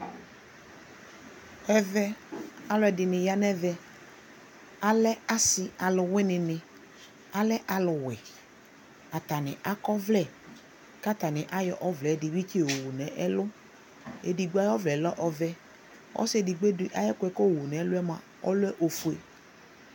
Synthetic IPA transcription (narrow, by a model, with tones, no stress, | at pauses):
xɛ˨vɛ˦a˨lʊ˨˦ɛ˨dɪ˨nɪ̃˨ja˦nɛ˦vɛ˦ | a˦lɛ˦a˦sɪ˨a˨lʊ˨wɪ˦nɪ˨nɪ̃˨ | a˦lɛ˦ʔa˨lʊ˨wɛ˨ | a˨ta˨nɪ˨ʔa˦kɔ˦vlɛ˦˨ | ka˦ta˨nɪ̃˨ʔa˦jɔ˨ʔɔ˦vlɛ˨˦dɪ˨wi˦ko˨wu˨nɛ˨ʔɛ˦lʊ˦ | ḛ˨di˨ɡ͡bu˦a˦jɔ˦vlɛ˨lɔ˦ʔɔ˨vɛ˦ | ɔ̰˦sɛ˦˨dɪ˨ɡ͡be˦dɪ˦ʔa˦jɛ˦kʷɛ˦˨ko˦˨wu˨nɛ˨˦lʊ˦ɛ˦mã˨ | ɔ̰˦lʊ˦ɛ˦ʔo˨fu˨e˨